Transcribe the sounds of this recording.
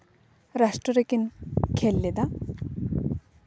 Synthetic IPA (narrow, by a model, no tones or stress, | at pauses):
ɾaʂʈɾɔɾekinkʰelːed̪a